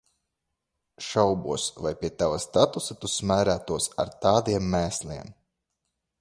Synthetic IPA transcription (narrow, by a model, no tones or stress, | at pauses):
ʃawbuɔsvajpʲiɛt̪avast̪at̪usat̪usmæːɾæːt̪uɔsa̰ɾt̪aːd̪iɛmːæːslʲiɛm